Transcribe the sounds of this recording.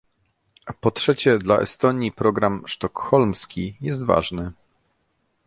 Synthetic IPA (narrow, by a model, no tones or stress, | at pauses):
pɔtʂɛt͡ɕɛd̪laʔɛ̰st̪ɔɲipɾɔɡɾamʂt̪ɔkxɔlmskʲijɛst̪va̰ʐnɘ